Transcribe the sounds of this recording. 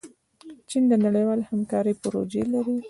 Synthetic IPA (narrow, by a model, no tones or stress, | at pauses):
t͡ʃind̪ənaɽəjwɑlehamkɑɾəpʊɾo̰d͡ʒelaɾi